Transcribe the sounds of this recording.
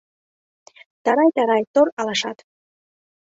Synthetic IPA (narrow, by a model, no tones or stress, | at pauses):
t̪ɑɾɑjt̪ɑɾɑjt̪oɾɑlɑʃɑ̰t̪